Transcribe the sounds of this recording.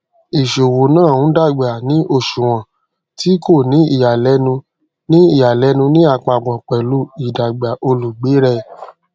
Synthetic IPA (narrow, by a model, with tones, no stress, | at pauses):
i˨ʃo˨wo˨nãː˦˨ũ˨˦da˦˨ɡ͡ba˨nĩ˨˦ʔo˦˨ʃu˨w̃ã˨ | ti˦ko˦˨nĩ˨˦i˦˨ja˨lɛ˨˦nũ˧ | nĩ˦i˦˨ja˨lɛ˨˦nũ˧nĩ˦a˦˧˨k͡pa˧˨ɡ͡bɔ̃˨k͡pɛ˨lu˦i˨da˨ɡ͡ba˨ʔo˧lu˨ɡ͡be˨˦ɾɛ˧